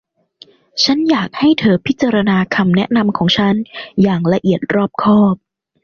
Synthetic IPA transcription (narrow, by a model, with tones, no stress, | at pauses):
t͡ɕʰa˦˥njaː˨˩k̚ha˥˩jt̪ʰɤː˩˦pʰi˦˥t̪̚t͡ɕːaː˧ɾa˧naː˧kʰa˧mnɛ˦˥ʔna˧mkʰɔː˩˦ŋt͡ɕʰa˦˥njaː˨˩ŋɾa˧ʔi˨˩ət̪̚ɾɔː˥˩p̚kʰɔː˥˩p̚